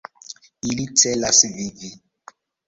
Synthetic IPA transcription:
ilit͡sʰɛlasivivi

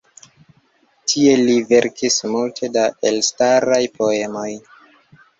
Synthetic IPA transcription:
tʰie̞live̞ɾkismultʰe̞daʔe̞lstaɾajpʰo̞e̞mo̞j

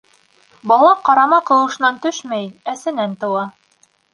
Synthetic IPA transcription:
bɑlˠɑqɑɾɑmɑqɤ̆lˠɤ̆ʃɤ̆nɑnt̪ɵʃmæjnæsɘ̆nænt̪ɤ̆wɑ

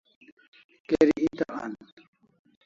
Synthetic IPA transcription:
keɾiit̪aʔan

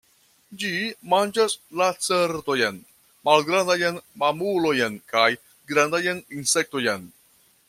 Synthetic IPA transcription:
d͡ʒimand͡ʒaslat͡seɾt̪ojen | malɡɾand̪ajenmamulojenkaj | ɡɾand̪ajeninsek̚t̪o̞jen

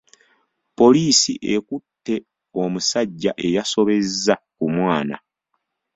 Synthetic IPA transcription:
po̞liːsiʔe̞kutːe̞ | o̞musaɟːaʔe̞jaso̞βe̞zːakumwaːna̰

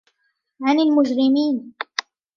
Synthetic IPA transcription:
ʕanɪlmʊd͡ʒɾɪmiːn

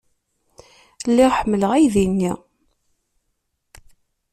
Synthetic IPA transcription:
lːiʁħəmːələʁæjðinːi

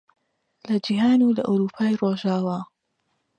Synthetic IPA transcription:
lɐd͡ʒiɦaːnulɐʔawɾuːpʰaːjroːʒaːwaː

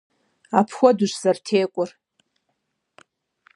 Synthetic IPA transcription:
apʰxʷadʊʃʷz̥artʰejkʷʼʊr

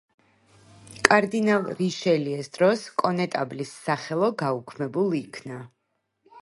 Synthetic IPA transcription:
kʼaɾd̪inalˠɾiʃɛliɛsd̪̥ɾɔskʼɔnɛt̪ʼablisːaχɛlˠɔɡaukʰmɛbulˠiikʰna

